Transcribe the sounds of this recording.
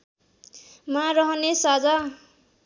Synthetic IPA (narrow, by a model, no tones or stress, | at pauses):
maɾʌɦʌnesad͡za